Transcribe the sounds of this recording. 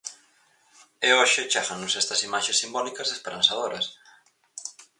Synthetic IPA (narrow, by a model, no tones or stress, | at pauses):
eoʃɪt͡ʃaɣanʊsɛst̪ɐsimaʃesːimbɔnikɐzðespeɾãnsaðoɾɐs